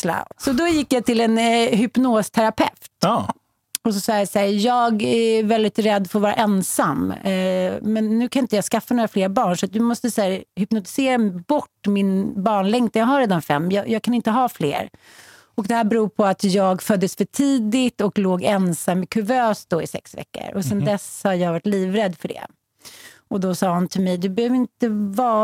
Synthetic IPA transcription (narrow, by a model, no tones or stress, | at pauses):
la̰sɔd̪ɔjɪkːjat̪ʰɪlɛnɦʏpnoːst̪ʰæɾapʰɛ̰ft̪ | ɔsɔsɑːjasæːɾjɑːɡævɛld̪ɪt̪ɾɛd̪ːɔfoːɾvɑːɾa̰ʔɛnsamː | mɛnːʉ̟ːkʰanɪnt̪əjaːɡskafːanoːɾafleːɾbɑːɳʂɔat̪̚d̪ɵmɔst̪əsæːɾhʏpnʊt̪ɪ̥seːɾabɔʈːmɪnbɑːɳlɛŋt̪ɛjaːɡɦaɾeːd̪anfɛ̰mːjɑjɑːɡ̚kʰanɪnt̪əɦɑːflḛːɾ | ɔkd̪ɛhæːɾbɛɾuːɾpʰɔat̪jɑːɡfœd̪ːəsfœʈʰiːd̪ɪt̪ɔkloːɡɛnsamːɪkʰʉvøːsd̪ɔɪsɛ̰ksvɛ̰kːə̰ɾʔɔ̰sɛnd̪ɛshaɾjɑːɡvaʈliːvɾɛd̪ːfœɖɛ̰ | ɔd̪ɔsɑːhant̪ʰɪlmɛjd̪ɵbɛhøːvəɾɪnt̪əvɑː